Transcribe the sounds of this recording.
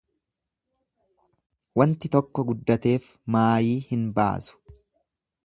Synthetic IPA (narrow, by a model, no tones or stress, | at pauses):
wɐnt̪ɪt̪ɔkːɔɡʊd̪ːɐt̪e̞ːf | maːjiːhɪnba̰ːsʊ̥